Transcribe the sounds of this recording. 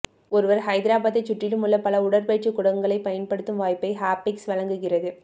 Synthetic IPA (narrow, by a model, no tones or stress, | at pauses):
ɔɾɯʋɐɾɦɐɪðɪɾaːbaːðɐɪt͡ʃːʊʈrɪlɯmʊlːɐpɐlɐʊɽɐɾpeːʈt͡ʃɯkːʊɽɐŋɡɐɭɐɪpɐjɐnpɐɽɯt̪ːɯmʋaːjpːɐɪɦaːpːɪksʋɐɻɐŋɡɯɣɪrɐðɯ